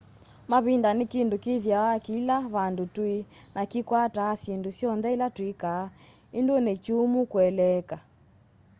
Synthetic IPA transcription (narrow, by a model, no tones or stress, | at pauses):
maβindanikindukiðjawakilaβandutwi | nakikwataːsindusjɔnðɛilatwikaː | indonet͡ʃumukwɛlɛka